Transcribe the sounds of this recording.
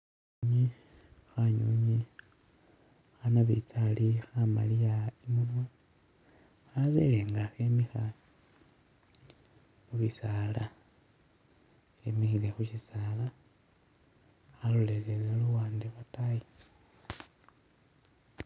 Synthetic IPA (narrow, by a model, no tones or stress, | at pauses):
ɲi | xaɲuɲi | xanaβḭt͡salixama̰lijaimunwa | aβḛleːŋɡaxemixa | muβisaːla | xemixile̞xuʃisala | xalolelelaluwaːndeβataji